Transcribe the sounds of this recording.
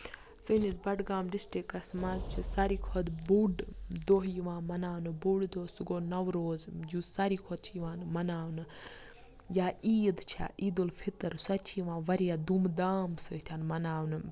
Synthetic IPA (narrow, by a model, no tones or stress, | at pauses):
sɨnizbɐɖɡaːmɖisʈikɐsmazt͡ʃʰisɐɾiːkʰɔd̪buɖd̪oɦjiʋãːmɐnaːwnɨbuɖd̪oːsuɡonɐʋɾoːzjusaɾiːkʰod̪̚t͡ʃʰijiʋaːnmɐnaːwnɨ | jaːiːd̪t͡ʃʰa̰ʔiːd̪ulpʰit̪əɾsɐt͡ʃʰijiʋãːʋɐɾijad̪umd̪aːmsut̪ʲʰanmɐnaːwnɨ